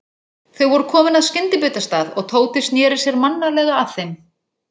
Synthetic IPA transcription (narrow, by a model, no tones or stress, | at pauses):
θœwvɔɾʏkʰɔːmɪnaðscɪnt̪ɪpʏːt̪ast̪aːðɔɣt̪ʰoːwt̪ɪsnjɛːɾɪsjɛɾmanːalɛɣaːð̥θejm